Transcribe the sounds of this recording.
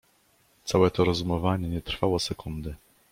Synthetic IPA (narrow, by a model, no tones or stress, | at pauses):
t̪sawɛt̪ɔɾɔzumɔvaɲɛɲɛt̪ɾ̥fawɔsɛkund̪ɘ